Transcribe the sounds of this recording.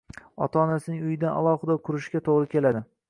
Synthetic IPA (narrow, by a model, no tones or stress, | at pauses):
ɒ̰t̪ʰaːnasɪnɪŋʊjɪd̪ana̰lˠɒhɨd̪ɒkʰʊɾɪʃɡʲat̪ʰoʁɾɪkʲe̞lad̪ɪ